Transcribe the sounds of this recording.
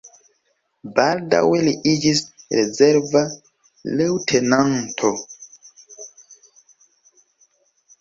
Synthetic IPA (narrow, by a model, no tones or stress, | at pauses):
balda̰weliʔid͡ʒisɾezeɾva | lewtʰenantʰo